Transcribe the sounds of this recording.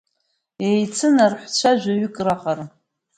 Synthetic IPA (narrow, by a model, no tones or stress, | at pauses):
ejt͡sʰɨnarħʷt͡ɕʷʰaʒʷᶣaɥʏkʼraχar